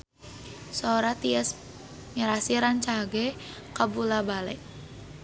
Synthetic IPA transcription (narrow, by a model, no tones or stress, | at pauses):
sooɾat̪iəs | miɾasiɾant͡ʃaɡɛkabulabalɛ̰ʔ